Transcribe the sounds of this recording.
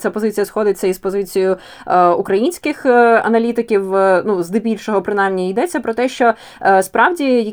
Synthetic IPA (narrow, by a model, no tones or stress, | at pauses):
t͡sʲapɔzɪt͡sʲijɐsxɔd̪ɪt͡sʲːɐispɔzɪt͡sʲijʊ | ukɾɐjinʲsʲkɪxɐ̰nɐlʲit̪ɪkʲiwnuzd̪ɪbʲilʲʃɔɦɔpɾɪnɑjmnʲiijd̪ɛt͡sʲːɐpɾɔt̪ɛʃt͡ʃɔ | spɾɑwdʲijɐ